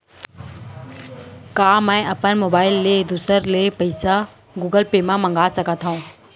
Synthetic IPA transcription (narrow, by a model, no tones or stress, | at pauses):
kaːmɛ̃ːɐpənmoːbaːɪlːed̪usəɾlepɐɪsa | ɡuːɡəlpeːmãmə̃ŋɡaːsɐkət̪ɦaũː